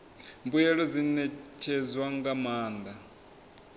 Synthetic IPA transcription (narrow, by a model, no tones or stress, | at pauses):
mbujɛɺɔzinɛt͡ʃʰɛzwaŋɡamaːnd̪a